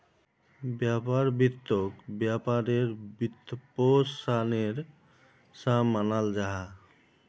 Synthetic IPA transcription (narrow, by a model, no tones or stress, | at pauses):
bjapaɾbit̪ːokbjapaɾeɾbit̪ːposaneɾ | samːanald͡ʒaɦa